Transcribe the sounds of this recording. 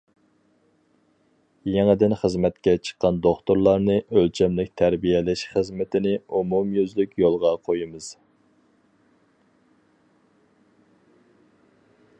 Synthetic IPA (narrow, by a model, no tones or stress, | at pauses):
jeŋɪd̪ɪnχəzmɛt̪kʲɛt͡ʃʰə̥qːɑnd̪oχt̪ʊɾlˠɑɾnɨʔølt͡ʃʰɛmlɪk̚ʲt̪ʰæɾbijɛlɪʃχəzmɪt̪ʰɪnɪumumjyzlykʲjolˠʁɑqʰojimɨz̥